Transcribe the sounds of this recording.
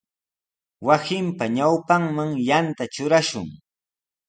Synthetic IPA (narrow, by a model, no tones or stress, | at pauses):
wasɪmpaɲawpaŋmaŋjant̪at͡ʃʊɾaʃʊ̰ŋ